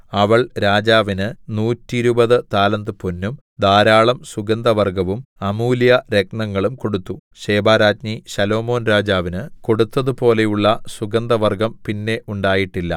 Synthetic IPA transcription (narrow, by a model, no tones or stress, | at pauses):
ɐʋɐɭɾaːd͡ʑaːʋinɨnuːtːiɾubɐðɨt̪aːlɐnd̪ɨpunːum | d̪aːɾaːɭɐmsuɡɐnd̪ɐʋɐrɡɐʋumɐmuːljɐɾek̚nɐŋːɐɭumko̞ɽut̪ːu | ɕe̞ːbaːɾaːtɲiɕɐlo̞ːmo̞ːnɾaːd͡ʑaːʋinɨko̞ɽut̪ːɐðupo̞ːle̞juɭːɐsuɡɐnd̪ɐʋɐrɡɐmpinːe̞ʔuɳɖaːjiʈːilːɐ̰